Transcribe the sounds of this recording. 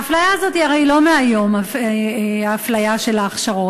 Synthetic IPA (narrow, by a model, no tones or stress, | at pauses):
aflajaːzo̞tiaʁe̞jlo̞meajo̞ma | aːflajaʃe̞laːχʃaʁo̞t